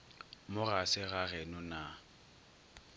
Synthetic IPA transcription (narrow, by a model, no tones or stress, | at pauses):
mʊɣasɪɣaɣɛnʊna